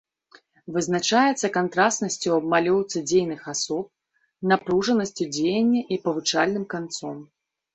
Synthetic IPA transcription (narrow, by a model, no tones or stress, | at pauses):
vɨznat͡ʂajɛt̪sːɐkant̪ɾasnɐsʲt͡sʲuɐbmalʲɔwt̪sɨd͡zʲejnɨxasɔp̚ | napɾuʐɐnɐsʲt͡sʲud͡zʲejɐnʲːɐʔipɐvɨt͡ʂalʲnɨmkant̪sɔm